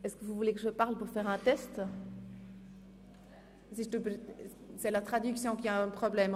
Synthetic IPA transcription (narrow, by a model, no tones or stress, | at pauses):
ɛskəvuvulekəʒəpaʁlpuʁfɛʁɛ̃t̪ɛst̪ | siʒət̪əp | sɛlat̪χad̪yksjɔ̃kʲiaɛ̃pχɔblɛm